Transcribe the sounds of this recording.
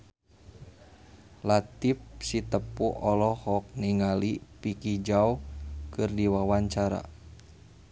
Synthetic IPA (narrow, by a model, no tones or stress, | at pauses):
lat̪ip̚sit̪əpuʔɔlɔhɔk̚niŋalipikid͡ʒaukɨrdiwawaɲt͡ʃaɾa̰